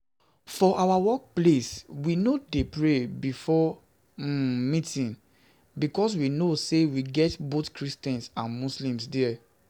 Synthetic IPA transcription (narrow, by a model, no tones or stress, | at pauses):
fɔʔawawɔk̚pleswinodepɹebifɔ | mĩtĩn | bikɔs̬winosewiɡɛtbotkɹistɛ̃nsãnmuslĩmsdɛɛ